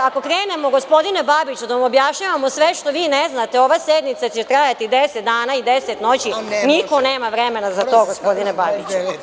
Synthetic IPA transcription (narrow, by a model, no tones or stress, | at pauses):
ako̞kɾeːne̞mo̞ɡospo̞d̪inebabit͡ɕud̪aʋamobjaʃɲaʋamosʋeʃt̪o̞ʋiːneznat̪eo̞ʋased̪mit̪sat͡ɕet̪ɾajat̪id̪eset̪d̪aːnaid̪eset̪no̞t͡ɕiniko̞neːmaʋɾeme̞nazat̪o̞ːɡospo̞d̪inebabit͡ʃu